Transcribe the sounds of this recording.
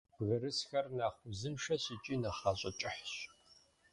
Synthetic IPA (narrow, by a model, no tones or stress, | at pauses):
bɣɐɾɨsxɐrnaːχʷʊzɨmʂɐɕit͡ʃʼiːnɐχaːɕʼɐt͡ʃʼɪħɕ